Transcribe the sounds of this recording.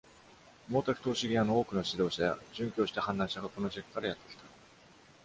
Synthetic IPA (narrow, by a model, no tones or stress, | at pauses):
mo̞ːt̪akɯ̥t̪o̞ːɕiɡʲiano̞oːkɯ̟no̞ɕid̪o̞ːɕaja̰ʑɨ̃ŋkʲo̞ːɕi̥t̪ahãnd̪ãɰ̃ɕaɡako̞no̞ʑikːɯ̥kaɾajat̪ːe̞kʲi̥t̪ḁ